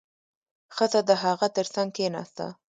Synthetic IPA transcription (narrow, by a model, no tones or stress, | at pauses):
xəzad̪əɦɑɣat̪əɾsaŋɡ̚kenɑ̰st̪a̰